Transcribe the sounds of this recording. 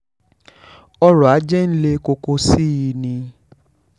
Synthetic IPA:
ɔ˧ɾɔ˨a˨˦d͡ʒɛ˦n̩˦le˧ko˧ko˧si˦ji˧nĩ˧

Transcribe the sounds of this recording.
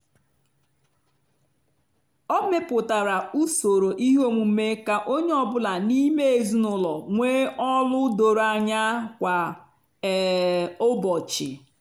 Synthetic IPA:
ɔ˦me˦pʊ˨ta˨ɾa˨u˦so˨ɾo˨ʔi˦ɦo˦mu˨m̩˦me˦ka˨ʔo˦ɲe˦ɔ˨bʊ˦la˨ni˦me˦e˨zu˦nʊ˨lɔ˨ŋʷeː˦ʔɔ˦lʊ˦do˨ɾa˨ɲa˦kʷa˨ | ʊ˦bɔ˨t͡ʃɪ̰˨

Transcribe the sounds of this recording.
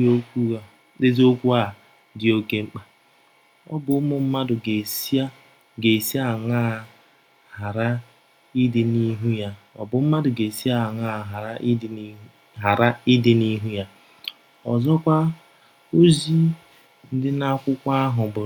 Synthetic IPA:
o˦kʷu˦˨ | de˦zo˦kʷu˦a˨ | dɪ˨o˦ke˨˦ŋ͡m̩˦k͡pa˦ | ɔ̰˦bʊ˨˦mʊ˦m̩˦ma˦dʊ˨ɡe˨sa˦ | ɡe˨si˦a˦˨ŋa˦˨ | ha˨ɾa˦ | i˦dɪ˨˦ni˦ɦu˦ja˦ɔ̰˨bʊ˨m̩˦ma˦dʊ˨ɡe˨si˦a˦˨ŋa˦˨ɦa˨ɾa˦ʔ | ɦa˨ɾa˦i˦dɪ˦ni˦ɦu˦ja˦ | ɔ˨zɔ˦kʷa˦ | o˦zi˦ | n̩˦dɪ˦na˦kʷʊ˦kʷa˦ɦʊ˨bʊ˨

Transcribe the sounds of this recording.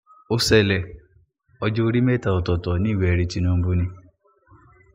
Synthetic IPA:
o˦sɛ˨lɛ˨ | ɔ˧d͡ʒɔ˦o˦ɾi˦me˦˨ta˨o˨tɔ˨tɔ˨nĩ˦˨wɛ˨ɛ˨˧ɾi˧ti˧nũ˧m̩˦bu˦nĩ˧

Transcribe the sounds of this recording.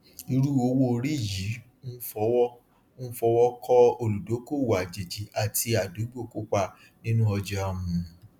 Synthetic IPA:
i˧ɾu˦o˧wo˦˧ɾi˦˨ji˨˦ | nũ˦fɔ˧wɔ˦ | nũ˦fɔ˧˦wɔ˦kʰɔ˦o˧˨lu˨do˨˦ko˦˨wu˨a˨d͡ʒe˨d͡ʒi˨˦a˨ti˧a˨du˨˦ɡ͡bo˦˨ko˦k͡pa˦˨ | nĩ˦nũ˦ɔ˧d͡ʒɔ˦a˨mũ˨

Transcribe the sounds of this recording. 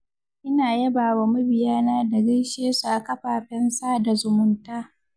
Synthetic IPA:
ʔɪ˦naː˨jɐ˦baː˨wa˨mʊ˦bɪ˨jaː˦naː˦da˨ɡɐ˦jʃeː˦su˨ʔa˨kɐ˦ɸaː˨ɸɛ˦nsaː˦da˨zʊ˨mʊ˦ntaː˦

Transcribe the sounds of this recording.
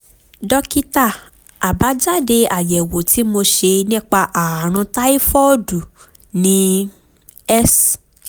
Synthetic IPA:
dɔ˧ki˦ta˦˨ | a˨ba˨˦d͡ʒa˦de˧a˨jɛ˨wo˨tʰi˨˦mo˧ʃe˧nĩ˦˨k͡pa˧ʔa˨a˨ɾ̃ũ˧ta˦i˦fɔ˦du˨ | nĩ˧˦ | ɛ˦s

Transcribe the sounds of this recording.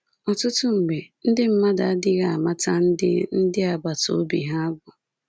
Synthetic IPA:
ɔ˨tʊ˦tʊ˦ŋ͡m̩˨ɡ͡be˨n̩˦dɪ˦m̩˦ma˦da˨a˦dɪ˦ɣa˨a˨ma˦ta˦n̩˦dɪ̰˦n̩˦dɪ˦a˨ba˨to̰˨˦bḭ˨ɦa˦a˦ɡʊ˨

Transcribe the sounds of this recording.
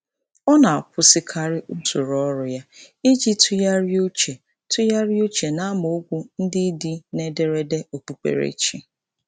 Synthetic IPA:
ɔ˦na˨a˨kʷʊ˦sɪ˦kʰa˦˨ɾɪ˦ʔu˦tu˨ɾɔ˦ɾʊ˨ja˦ | e˦d͡ʒi˦tʰʊ˦ja˦ɾɪ˦o˦t͡ʃe˨ | tʊ˦ja˦ɾɪ˦o˦t͡ʃe˨na˦mo˨o˦ɡʷu˦n̩˦dɪ˦di˦ne˦de˨ɾe˦de˦o˨k͡pu˨k͡pḛ˨ɾḛ˨˦t͡ʃḭ˨

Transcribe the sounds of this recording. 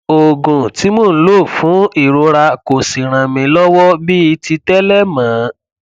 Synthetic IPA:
o˨ɡũ˨ti˨˦mõ˦˨n̩˦lo˦˨fũ˨˦i˦˨ɾo˧ɾa˧ko˨si˨ɾ̃ã˨mĩ˧lɔ˦wɔ˦bi˦i˧ti˧tɛ˦lɛ˦mãː˨˦

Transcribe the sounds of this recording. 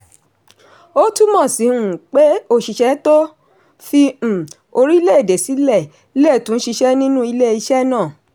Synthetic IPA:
o˦tu˦mɔ̃˦˨si˨˦hũ˨k͡pe˦o˦˨ʃi˧ʃɛ˨˦to˦ | fĩ˦˨ | o˧ɾi˦i˦le˦e˦˨de˨si˨˦lɛ˦˨ | i˦le˦˨tũ˨˦n̩˦ʃi˧ʃɛ˦nĩ˦nũ˦i˧le˦i˧ʃɛ˦nãː˦˨

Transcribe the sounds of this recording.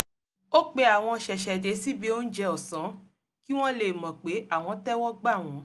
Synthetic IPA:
o˦k͡pe˧˦a˨w̃ɔ̃˧ʃɛ˨ʃɛ˨de˨˦si˦bi˨˦o˦n̩˦d͡ʒɛ˧ɔ˨sã˨˦ | ki˦w̃ɔ̃˦le˨mɔ̃˨k͡pe˨˦a˦˨w̃ɔ̃˧tɛ˦wɔ˦ɡ͡ba˦˨w̃ɔ̃˨˦

